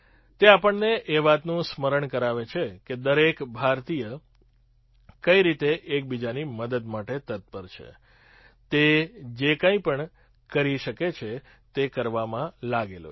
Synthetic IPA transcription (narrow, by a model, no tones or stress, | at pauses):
t̪eapəɳneʔeʋat̪nũsməɾəɳkəɾaʋet͡ʃʰeked̪əɾekbʱaɾt̪ijə | kəiɾit̪eʔːk̚bid͡ʒaniməd̪əd̪maʈet̪ət̪̚pəɾt͡ʃʰḛ | t̪ed͡ʒekə̃ĩpəɳ | kəɾiʃəket͡ʃʰe | t̪ekəɾʋamãlaɡelo̰